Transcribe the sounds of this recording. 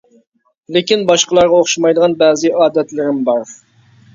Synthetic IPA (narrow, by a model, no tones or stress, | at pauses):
lɪkʲinbɑʃqəlˠɑɾʁɑoχʃɑmɑjd̪əʁɑnbɛːzɪʔɑːd̪ɛt̪lɪɾɪmbɑɾ